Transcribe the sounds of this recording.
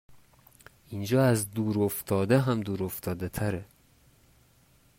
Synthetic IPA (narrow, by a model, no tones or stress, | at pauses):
ind͡ʒɒːæzd̪uːɾoft̪ʰɒːd̪eɦæmd̪uːɾoft̪ʰɒːd̪et̪ʰæɾe